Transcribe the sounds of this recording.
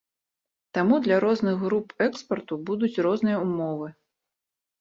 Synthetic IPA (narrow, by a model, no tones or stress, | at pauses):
t̪amud̪lʲɐɾɔznɨɣːɾupɛkspɐrt̪ubud̪ut͡sʲɾɔznɨjɐumɔvɨ